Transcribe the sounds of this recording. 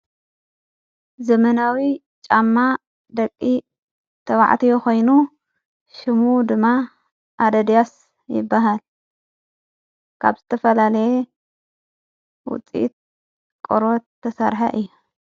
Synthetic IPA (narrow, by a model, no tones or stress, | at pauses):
zɐmɐnawi | t͡ʃʼamːa | d̪ɐkʼːi | t̪ʰɐwa̰ʕt̪ʰijokʰo̞jnu | ʃɪmud̪ɨmːa | ʔad̪ɐd̪ijas | jɪ̰bːaɦal | kʰa̰βzɨt̪ʰɐfɐlalɐje | wʊ̰t͡sʼḭt̪̚ | kʼoɾot̪ʰːɐsɐ̰ɾħɐ̰ʔɨjːu